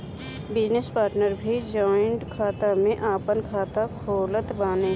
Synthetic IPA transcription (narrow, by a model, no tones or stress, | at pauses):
bɪd͡ʒnespaːɾʈnəɾbʱid͡ʒɔːɪɳʈkʰaːt̪amẽʔaːpənkʰaːt̪akʰoːlət̪baːne